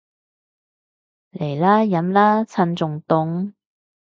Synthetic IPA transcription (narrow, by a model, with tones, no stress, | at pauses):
le˨˩jlaː˥jɐ˨˥mlaː˥t͡sʰɐ˧nt͡sʊ˨ŋt̪ʊ˧ŋ